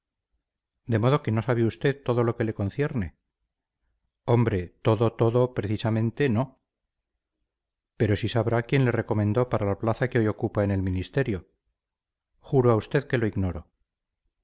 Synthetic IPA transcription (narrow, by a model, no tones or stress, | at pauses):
d̪e̞mo̞ð̞o̞ke̞no̞saβeust̪e̞ðt̪o̞ðo̞lo̞ke̞le̞ko̞n̟θje̞ɾne̞ | o̞mbɾe̞t̪o̞ðot̪o̞ðo̞pɾe̞θisamẽnt̪e̞no̞ | pe̞ɾo̞sisaβɾakje̞nle̞re̞ko̞mẽnd̪o̞paɾalaplaθakeo̞jo̞kupaene̞lmĩnist̪e̞ɾjo̞ | xuɾoaust̪e̞ðke̞lo̞iɣno̞ɾo̞